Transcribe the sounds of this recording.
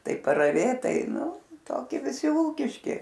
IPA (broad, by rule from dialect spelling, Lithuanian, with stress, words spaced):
ˈtɐɪ pɐrɐˈʋʲeːt ˈtɐɪ ˈtoːkʲiɛ ʋʲɪˈsʲɪ ˈuːkʲɪʃʲkʲɪ